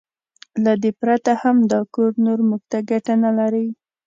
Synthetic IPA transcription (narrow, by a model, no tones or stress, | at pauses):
lad̪epɾat̪ahamd̪ɑkoɾnoɾmʊɡ̚t̪aɡaʈanalaɾəj